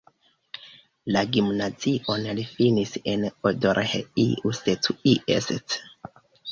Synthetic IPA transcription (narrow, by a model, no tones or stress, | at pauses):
laɡimnaziʔonlifinisenodoɾheḭusetuiʔḛset